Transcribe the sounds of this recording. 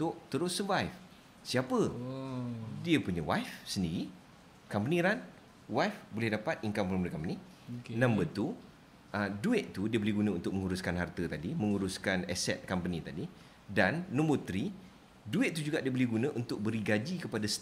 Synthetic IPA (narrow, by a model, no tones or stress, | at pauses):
t̪ʊʔ̚t̪əɾʊsəvajf | siapə | diəpuɲəwajfsəndiɾi | kampənĩɾan | wajfbolɛhdapat̪̚iŋkampɔɾməɾəkampənĩ | nãmbət̪u | ʔəduɪt̪̚t̪udiəbəlihɡunãunt̪ʊk̚məŋuɾuskanɦart̪ət̪adimə̃ŋuɾuskanɛsɛt̪̚kampənĩt̪adi | danːõmbot̪ɾi | duɪt̪̚t̪ud͡ʒuɡaʔdiəbəlɛhɡunə̃ʔunt̪ʊk̚bəɾiɡad͡ʒikəpadas